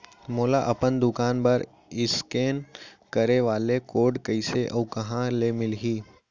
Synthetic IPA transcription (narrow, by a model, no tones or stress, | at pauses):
moːlaʔɐpənd̪ʊkaːnpɐɾ | ɪskeːnkəɾeʋaːlekoːɖkɐɪseʔɔːkɐɦãlemɪlɦiː